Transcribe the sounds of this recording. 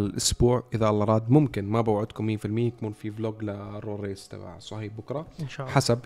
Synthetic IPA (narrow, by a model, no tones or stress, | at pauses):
lʔʊsbuːʕʔɪðaʔlʔɑɾˤɑːd̪mʊmkɪnmabawʕʊd̪kʊmːiːfɪlmɪjːakuːnfibloːɡlarˤoːɾeːst̪ɑ̰ba̰ʕsˤɑhiːbʊkɾˤɑħasab̚